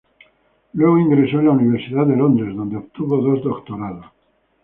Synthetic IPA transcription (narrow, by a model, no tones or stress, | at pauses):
lweɣoiŋɡɾesoẽnlauniβ̞eɾsiðad̪elond̪ɾezðond̪eop̚t̪uβoðozd̪okt̪oɾaðo